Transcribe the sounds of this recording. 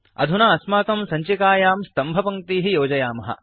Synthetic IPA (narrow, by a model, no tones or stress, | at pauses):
ɐ̰d̪ʱunaːɐsmaːk̪ɐmsɐɲt͡ʃikaːjaːmst̪ɐmbʱɐpɐŋt̪iːɦijoːd͡ʒɐjaːmɐɦɐ̰